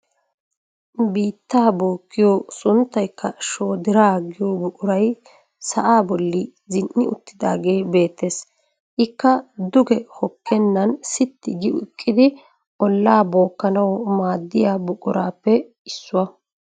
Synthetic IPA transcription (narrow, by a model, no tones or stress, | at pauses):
biːt̪ːaːboːkːɪjoːsʊnt̪ːɐjkːɐʃoːd̪ɪɾaːɡɪjoːbʊkʼʊɾɐj | sɐ̰ʔaːbɔlːɪ | zɪnnʔːɪʊ̰t̪ːɪd̪aːɡe̞ːbe̞ːt̪ːe̞ːs | ʔɪkːɐd̪ʊɡɛhɔkʰːɛnːɐnsɪt̪ːɪɡɪʊ̰ɪkʼːɪd̪ɪ | ʔɔlːaːbo̞ːkːɐnɐwɔmaːd̪ːɪjaːbʊkʼʊɾaːpːɛ | ɪsːʊwɐ